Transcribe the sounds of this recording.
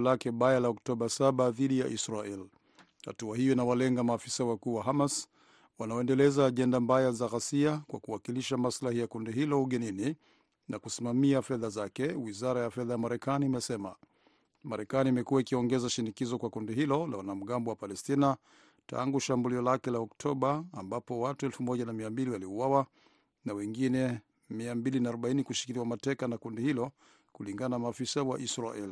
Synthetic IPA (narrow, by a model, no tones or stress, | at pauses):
lakɛɓajalaɔktɔɓasaɓaðiɗijaʔisɾaɛl | ha̰tuahijɔinawalɛŋɡamaːfi̥sawakuːwaɦamas | wanaɔɛndɛlɛzaːʄɛndambajazaɣasiakwa̰kuwakiliʃamaslahijakundiɦilɔuɠɛnini | nakusimamiafɛðazakɛwizaɾajafɛðajamaɾɛkaniːmɛsɛma̰ | maɾɛkaniːmɛkuwaikiɔŋɡɛzaʃinikizɔkwakundiɦilɔla̰wanam̩ɠambɔwapalɛstina | ta̰ŋɡuʃambuliɔlakɛlaɔktʰɔɓaːmbapɔwatuɛlfumɔʄanamiambiliwaliuwawa | nawɛŋɡinɛ | miambilinaːɾɔɓainikuʃi̥kiliwamatɛkanakundihilɔ | kuliŋɡananamaːfisawa̰ʔisɾa̰ʔɛli